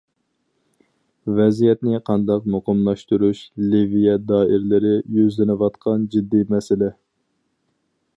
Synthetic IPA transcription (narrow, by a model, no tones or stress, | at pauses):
vɛzijɛt̪nɪqʰɑnd̪ɑqmoqəmlˠɑʃt̪uɾuʃlivijɛd̪ɑːɪɾlɪɾɪjøzlɪnɪwɑt̪qʰɑnd͡ʒid̪ːimɛsɪlɛ